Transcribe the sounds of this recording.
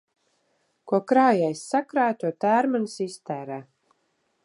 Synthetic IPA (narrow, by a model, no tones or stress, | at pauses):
kuɔkɾaːjajsːakɾaːt̪uɔt̪æːɾmansist̪æːɾæː